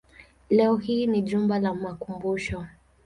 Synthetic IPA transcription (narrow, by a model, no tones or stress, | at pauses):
lɛɔhiːniʄumbalamakumbuʃɔ